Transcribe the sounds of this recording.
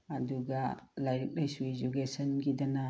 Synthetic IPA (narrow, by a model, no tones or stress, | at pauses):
ɐduɡɐlajɾik̚lajsued͡ʒukesɐnɡidɐnɐ